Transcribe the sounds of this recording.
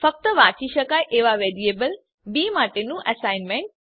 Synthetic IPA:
fɐk̚t̪əʋaːt͡ɕiʃɐkaːjʔeːʋaʋeːɾieːbəl | biːmaːʈenũʔɐsaːɪnmẽɳʈ̚

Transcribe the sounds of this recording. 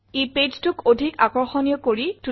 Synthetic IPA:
eped͡ʒtʊkodʱikakɔɹxɔnijɔkoɹitu

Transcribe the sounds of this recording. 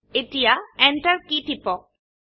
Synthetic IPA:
etijaɛnʈaɹkitʰipɔ

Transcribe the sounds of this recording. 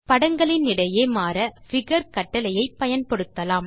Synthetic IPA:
pɐɽɐŋɡɐɭɪnːɪɽɐjeːmaːɾɐfɪɣɐɾkɐʈːɐlɐjɐɪpːɐjɐnpɔɽɯt̪ːɐlaːm

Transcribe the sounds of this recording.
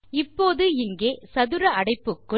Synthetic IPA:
ɪpːoːðɯɪŋɡeːsɐðɯɾɐɐɽɐɪpːɯkːɯ

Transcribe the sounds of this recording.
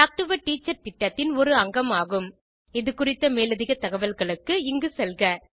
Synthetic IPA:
ʈaːk̚ʈɯʋɐʈiːt͡ʃːɐɾt̪ɪʈːɐt̪ːɪnɔɾɯɐŋɡɐmaːɣɯm | ɪðɯkʊrɪt̪ːɐmeːlɐðɪɣɐt̪ːɐɣɐʋɐlɣɐɭɯkːɯɪŋɡɯsɛlɣɐ

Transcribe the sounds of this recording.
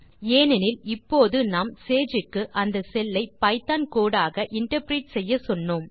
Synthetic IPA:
eːnɪnɪlɪpːoːðɯnaːmseːd͡ʒɯkːɯʔɐnd̪ɐsɛlːɐɪpɐɪt̪ːaːnkoːɽaːɣɐʔɪɳʈɐɾpɾiːʈ̚sɛjːɐsɔnːoːm

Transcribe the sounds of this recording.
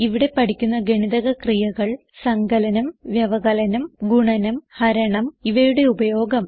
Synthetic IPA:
iʋiɽe̞pɐʈʰikʲːunːɐɡeɳiðɐɣɐkrijɐɣɐɭ | sɐŋɡɐlɐnɐmʋjɐʋɐɣɐlɐnɐmɡuɳɐnɐmhɐɾɐɳɐmiʋɐjuɽe̞ubɐjo̞ːɡɐm

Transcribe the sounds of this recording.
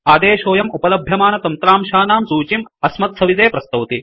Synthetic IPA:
aːd̪eːʃoːjɐmupɐlɐbʱjɐmaːnɐt̪ɐnt̪ɾaːmʃaːnaːmsuːt͡ʃimɐsmɐt̪̚sɐʋid̪eːpɾɐst̪ɐwt̪i

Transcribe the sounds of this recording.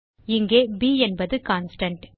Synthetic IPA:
ɪŋɡeːbiːɛnbɐðɯkaːnsʈɐɳʈ

